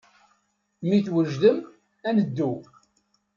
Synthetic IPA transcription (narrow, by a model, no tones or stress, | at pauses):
miθwəʒðəm | ænəd̪ːu